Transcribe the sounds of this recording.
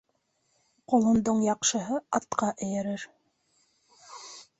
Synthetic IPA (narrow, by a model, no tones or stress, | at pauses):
qŏlˠɤ̆nd̪oɴjɑqʃɤ̆ɦɤɑt̪qɑʔɘ̆jɘ̆ɾɘɾ